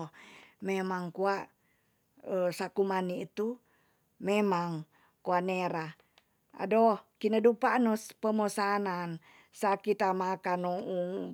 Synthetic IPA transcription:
memaŋkuaʔ | əsakumaniːt̪u | memaŋ | kuaneɾa | a̰dohkinədupanospəmosanan | sakit̪amakanɔu

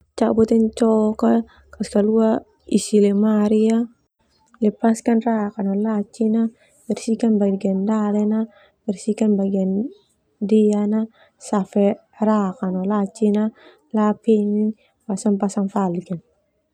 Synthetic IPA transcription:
t͡ʃabotent͡ʃoka | kaskaluwa | isilemaɾija | lipaskenɾakanolat͡ʃina | bɛɾsikanbaɡendalɛna | bɛɾsikenbaɡen | dijana | safɛ | ɾakanolat͡ʃina | lapiniɲ | pasanpasanfaliken

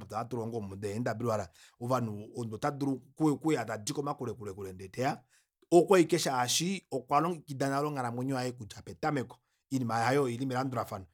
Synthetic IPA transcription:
putaatuɾɔŋɡɔmudɛɛndabiɾiwaɾa | ɔvanuɔndɔtaduɾukuɛkuɛatadikɔmakuɾɛkuɾɛkuɾɛndɛtɛa | ɔkwɔikɛʃaːʃiɔkwalɔkidanalɔŋaɾamɔɲɔaɛkud͡ʒapɛtamɛkɔ̥ | inimahajɔilimɛɾanduɾafanu

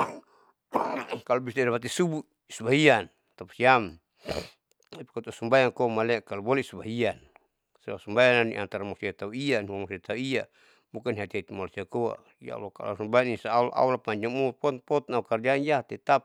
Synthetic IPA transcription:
kalɔbist̪adapat̪̬isubu | isubaɦian | t̪apsiam | pi̥kɔt̪ɔsumbajaŋkɔmalɛkalubɔlɛsubaɦian | sala̰sumbajananḭʔa̰nt̪aɾamɔsiat̪auianihuamɔsiat̪auia | bukaniɦat̪iɦat̪imalasiakɔa̰ | ia̰ṵlaka̰la̰sumbajaninsaaulʔa̰ulapaɲd͡ʒamupɔt̪pɔt̪naukard͡ʒanjat̪ɛt̪ap̚

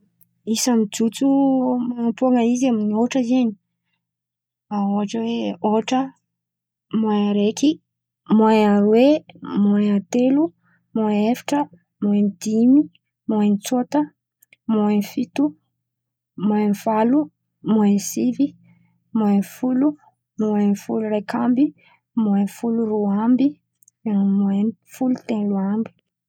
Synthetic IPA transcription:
isamid͡ʒut͡sumaampuaŋəizaminioʈ͡ʂəizeɲi̥ | aoɦaʈ͡ʂəweoʈ͡ʂə | maaɾeki | maaɾwemoaat̪elu | maefi̥ʈ͡ʂə | moend̪̥imi | monit͡suat̪ə | moenfit̪u | moenvalu | moensivi | moenfulu | muenfulurejkʰambi | moefuluruambi | muenfulut̪enluambi̥

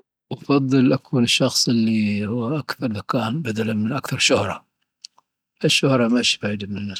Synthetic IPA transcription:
wɑfɑðˤːɨlʔakʰuːnɪʃːɑxsˤɪlːihʊwːaʔakθɑɾˤðakaːnbad̪alanmɪnʔakθɑɾˤʃʊhɾˤɑ | ʔɪʃːʊhɾˤɑmaʃi̥fʕid̪amɪnɪnːa

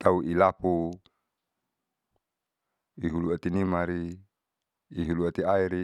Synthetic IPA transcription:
t̪auʔilapu | iɦuluat̪inimaɾi | ɦuluat̪iaiɾi

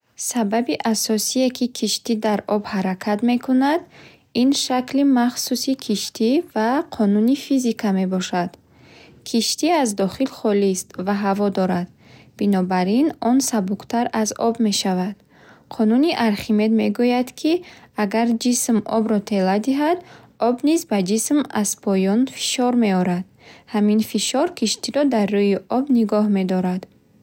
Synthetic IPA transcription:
sababiʔasɔsiekʰikʰiʃt̪id̪aɾɔbhaɾakʰad̪me̞kʰunad̪ | inʃaklimaχsusikʰiʃt̪ʰivaqʰɔnunifizikʰame̞bɔʃad̪̥ | kʰiʃt̪iazd̪ɔχilχɔlist̪vaɦavɔd̪ɔɾad̪̥ | b̥inɔbaɾinɔnsabuqt̪ʰaɾazɔ̰bme̞ʃavad̪̥ | qʰɔnuniʔaɾχime̞d̪me̞ɡujad̪kʰiaɡaɾd͡ʒismʔɔ̰bɾɔt̪ʰe̞lad̪iɦad̪ | ɔbnizbad͡ʒisma̰z̥pʰɔjɔnfi̥ʃɔɾme̞ɔɾad̪̥ | haminfiʃɔɾkʰiʃt̪iɾɔd̪arːujiʔɔbniɡɔhme̞d̪ɔɾad̪

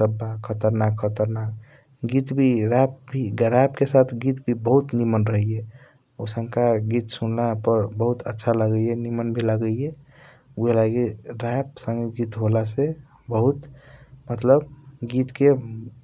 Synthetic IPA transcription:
səbːakʰːət̪əɾnakʰːət̪əɾnak̚ | ɡit̪bʱiɾap̚bʱiɡəɾapkesat̪ʰɡit̪bʱibəɦut̪nimənɾəɦije | osəŋkaɡit̪sunlapəɾbəɦut̪ʰətːʃʰaləɡəjjenimənbʱiləɡəjje | uelaɡiɾap̚sə̃ŋɡeɡit̪ɦolase | bəɦut̪mət̪ləbɡit̪ke

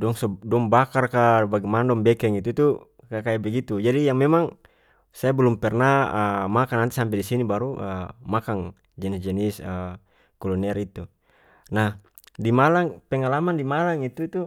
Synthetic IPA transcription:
dɔŋsɔdɔŋbakarkabaɡimandɔmbɛkɛŋit̪ut̪u | kakaibɛɡit̪ud͡ʒadijaŋmɛmaŋ | sajabɛlumpɛrnaəmakanant̪isampɛdisinibaɾuʔəmakaŋ | d͡ʒɛnisd͡ʒɛnisə | kɔlɔnɛɾit̪u | nah | dimalaŋpɛŋalamandimalaŋit̪ut̪u

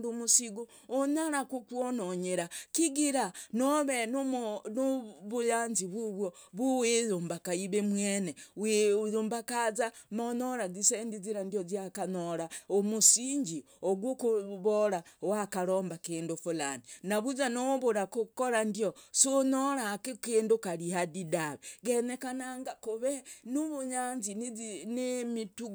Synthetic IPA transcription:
dumusiɡuː | ɲaɾakukwonoɲeɾakiɡiɾanoβennuβujaːnziβuβwoβuwejumbakaiβemweːnewjuːmbakazamoɲoɾazisendiziɾandijoziakanoɾaomusiɲɟi | oɡwukuβoɾawakaɾoːmbakeːndufulaninaβuzanoβuɾakukoɾandiosoɲoɾaːkikeːndukalihadidaβeɡenekanaŋɡakuβenuβuɲanzinemituɡ

